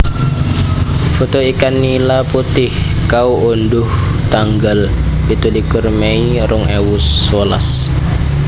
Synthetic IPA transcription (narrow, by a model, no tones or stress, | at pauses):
fot̪oikanːilaput̪ɪhkauondʊht̪aŋɡalpit̪ulikʊrmeiɾʊŋewʊsola̰s